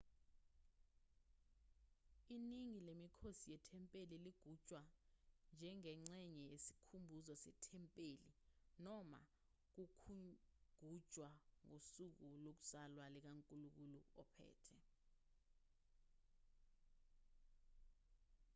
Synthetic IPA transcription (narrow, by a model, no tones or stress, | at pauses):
iniŋilemikʰosijɛtʰɛmpʼeliliɡ̥ʱud̥ʒ̥ʼʱwand͡ʒʱɛŋɛŋ͡ǀɛɲɛjesi̥kʰumbʱuzɔsɛ̰tʰɛmpʼeːlinɔma̰ | k̬ukʰuɡ̥ʱud̥ʒ̥ʱwaŋosuk̬ulok̬u̥salwalɛk̬aŋkʼuluk̬uluɔpʰɛ̰ːtʰɛ